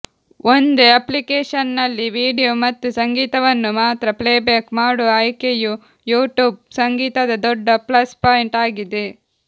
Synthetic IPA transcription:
ʔond̪eɐplikeːʂɐnːɐlːiʋiːɽijomɐt̪ːusɐŋɡiːt̪ɐʋɐnːumaːt̪ɾɐpleːbaːkmaːɽuɐjkeju | juːʈjuːb̚sɐŋɡiːt̪ɐd̪ɐd̪ɔɖːɐplɐspaːjiɳʈaːɡid̪e

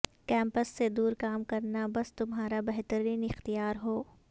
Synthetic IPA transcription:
kɛ̃ːmpəsːed̪uːɾkaːmkɐɾnabɐst̪ʊmɦaːɾabɛɦt̪əɾiːnɪxt̪ijaːɾɦoː

